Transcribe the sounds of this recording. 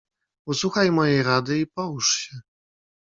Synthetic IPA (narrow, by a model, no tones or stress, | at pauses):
usuxajmɔjejɾad̪ɘipɔwuʂɕɛ